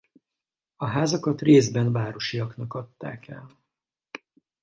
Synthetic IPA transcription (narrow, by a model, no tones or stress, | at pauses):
ɒɦaːzɒkɒt̪reːzbɛnvaːɾoʃijɒknɒkɒt̪ːa̰ːkɛ̰l